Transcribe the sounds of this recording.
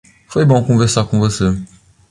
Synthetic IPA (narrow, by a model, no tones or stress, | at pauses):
fojbõkõveɾsakõvose